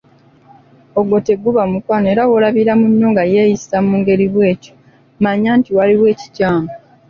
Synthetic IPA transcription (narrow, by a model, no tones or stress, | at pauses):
oɡo̞te̞ɡːuβamukwaːne̞ːɾawolaβiɾamunːoːŋɡaje̞ːjisamuːŋɡe̞ɾiβwe̞ːco̥ | maɲaːntiwaliwe̞ːci̥caːmo